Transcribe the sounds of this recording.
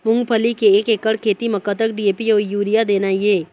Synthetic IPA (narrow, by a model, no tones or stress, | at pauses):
mʊ̃ŋɡpʰəlikeːkeːkəɽkʰeːt̪imɐkət̪əkɖieːpioːjuːɾijad̪eːnajeː